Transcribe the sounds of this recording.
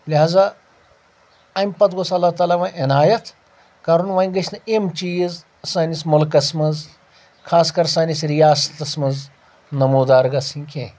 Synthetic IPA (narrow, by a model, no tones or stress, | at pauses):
liɦaːza | ɐmpɐt̪ɡosɐlːat̪aːlaʋaʔɪnaːjɐt̪ | kɐɾunʋɐ̃iɡɐʃʰʲnɐʔemt͡ʃiːz | saːnismʊlkɐsmɐz | kʰaːskɐɾsaːnisɾijaːsɐ̥t̪ɐsmɐz | nɐmuːd̪aːɾɡɐsikʲʰẽ